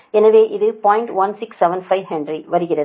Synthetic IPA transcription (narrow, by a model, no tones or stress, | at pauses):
ɛnɐʋeːʔɪðɯpaːjɪɳʈʋɐnsɪksːɛʋɐnfɐɪʋɦɛɳɖɾiʋɐɾɯɣɪrɐðɯ